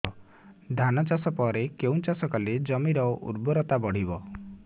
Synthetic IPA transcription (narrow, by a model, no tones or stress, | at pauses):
d̪ʱanɔt͡ʃasɔpɔɾekeũt͡ʃasɔkaled͡ʒɔmiɾɔʔṵɾbɔɾɔt̪abɔɽ̤ibɔ